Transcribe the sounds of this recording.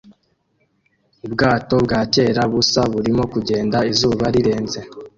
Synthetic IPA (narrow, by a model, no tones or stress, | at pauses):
ubɡaːto̞bɡaːce̞ːɾaβusaβuɾimo̞kuɟe̞ːndaizuːβaɾiɾe̞ːnze̞